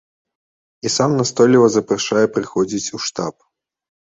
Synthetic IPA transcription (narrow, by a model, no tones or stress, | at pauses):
isamnast̪ɔlʲivɐzɐpɾaʂajɛpɾɨxɔd͡zʲit͡sʲuʂt̪ap